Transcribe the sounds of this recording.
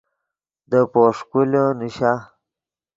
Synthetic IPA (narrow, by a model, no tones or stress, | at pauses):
d̪əpoʂkuloniɕa